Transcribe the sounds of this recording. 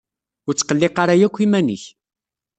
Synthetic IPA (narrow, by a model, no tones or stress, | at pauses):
ʊɾt͡sːqəlːɪqɑɾˤæjækʷːimænə̰ç